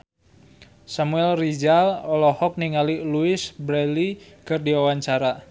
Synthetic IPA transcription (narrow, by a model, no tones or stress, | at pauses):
samuɛlrid͡ʒalɔlɔhɔk̚niŋaliluɪsbɾɛlikɨrdiwawaɲt͡ʃaɾa